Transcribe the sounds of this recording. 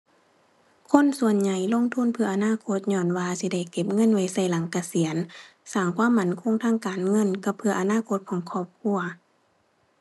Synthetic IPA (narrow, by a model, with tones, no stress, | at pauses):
kʰo˧˥˨nsu˧˩ənɲa˨˩jlo˧˥˨ŋt̪ʰu˧˥˨npʰɯ˧ɐʔa˨˧naː˧˥˨kʰo˧˥t̪̚ɲɔː˧˩˨nwaː˧si˧˦da˧˩jke˧p̚ŋɤ˧˥˨nwa˧˩jsa˧˩jla˨˦ŋka˧si˨˩˦ənsaː˨˩ŋkʰwaː˧˥˨mːa˧˩nkʰo˧˥˨ŋt̪ʰaː˧˥˨ŋkaː˨nŋɤ˧˥˨nka˧p̚pʰɯ˧ɐʔa˨˧naː˧˥˨kʰo˧˥t̪̚kʰɔː˨˦ŋkʰɔː˧˩p̚kʰu˧˥ɐ